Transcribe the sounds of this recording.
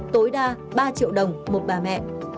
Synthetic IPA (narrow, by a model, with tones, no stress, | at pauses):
t̪o˨˦jɗaː˧ | ɓaː˧t͡ɕḭ˧˨əwɗə˨˩wŋ͡mmo˨˩t̚ɓaː˨˩mɛ̰˧˨ʔ